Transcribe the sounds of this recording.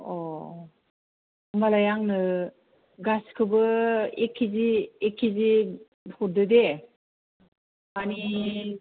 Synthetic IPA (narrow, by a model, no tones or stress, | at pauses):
ɔ | malajaŋnɯ | ɡaskʰɯbɯekʰːiziːkʰːizi | huɾdɯde | ani